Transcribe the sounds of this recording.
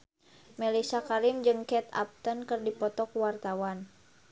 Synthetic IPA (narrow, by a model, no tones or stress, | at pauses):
mɛlisakaɾimd͡ʒɨŋkɛt̪a̰p̚t̪ənkɨrdipɔt̪ɔkuwart̪awan